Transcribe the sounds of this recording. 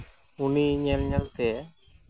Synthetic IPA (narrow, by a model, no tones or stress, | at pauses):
uniɲɛlɲɛlt̪ɛ